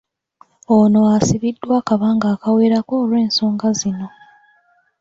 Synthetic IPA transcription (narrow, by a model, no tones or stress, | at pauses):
ono̞asiβidːwakaβaːŋɡaːkawe̞ːɾako̞ːlwe̞ːnso̞ːŋɡazino̞